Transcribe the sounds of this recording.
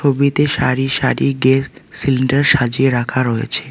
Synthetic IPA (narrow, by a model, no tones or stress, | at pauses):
obit̪eʃaɾiʃaɾiɡessiliɳɖaɾʃad͡ʑieɾakʰaɾɔḛt͡ɕʰe